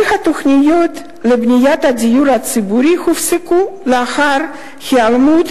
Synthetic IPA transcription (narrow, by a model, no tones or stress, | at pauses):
xat̪oxnijot̪ | lebnʲijat̪ad̪ijuɾat͡sɨbuɾixufsekuleaxaɾ | xialmut̪